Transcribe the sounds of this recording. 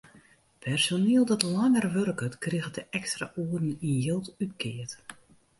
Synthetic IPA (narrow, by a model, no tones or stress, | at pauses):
pʰɛrsoneəlˠdɔtlaŋərʋørkətkrɪɣədəʔɛkstra̰ʔuədn̩injɪlˠtytkʰɪət